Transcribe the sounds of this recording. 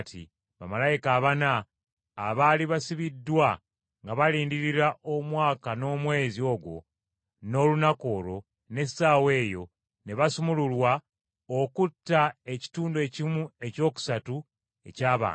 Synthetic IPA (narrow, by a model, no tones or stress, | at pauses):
tʰḭ | βamalajikaːβanaː | βaliβasiβidːwa | ŋɡaβaliːndiɾiɾaʔomwaːkano̞ːmwe̞ːzio̞ɡwo̞̰ | no̞lunako̞ɾo̞ | ne̞saːwe̞ːjo̞ | ne̞βasumululwa | okutːae̞ci̥tuːndue̞cimue̞co̞ːku̥satu | e̞̰caːβa̰ːn